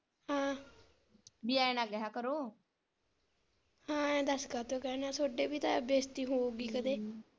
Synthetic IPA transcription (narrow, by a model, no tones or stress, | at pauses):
hãː | bɪaːɪnaːɡɛɦãːkəɾoː | hãːɛ̃ːd̪əskaːt̪õːkɛːnãːsoːɖeːbiːt̪ãːbeːst̪iːɦoːɡiːkəd̪eː